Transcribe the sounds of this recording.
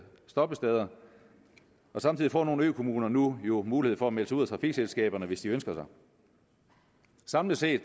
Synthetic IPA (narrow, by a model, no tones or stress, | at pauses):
sd̥ɒ̽b̥əsd̥ɛð̞ˠɐ | ɒ̽sɑ̈mt͡sʰið̰ˠifɒ̰ːno̝ːn̩ø̰ːkʰo̝muːnɐnujo̝muːlihe̝̰fɒ̽æmel̰səuð̰ˠæt͡sʰʁɑ̈fiɡ̥selsɡ̥ɛ̰ːb̥ɐnəʋe̝sd̥iønsɡ̥ɐsɑ̈ɪ | sɑ̈mləse̝̰ːd̥